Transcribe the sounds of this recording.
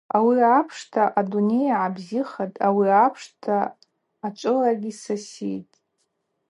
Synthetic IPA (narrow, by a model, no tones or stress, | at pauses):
awiapʰʂtʰaʔadune̞jaʕabziχatʼawiapʰʂtʰaː | t͡ʃʷʼɨlarɡʲisasijtʼ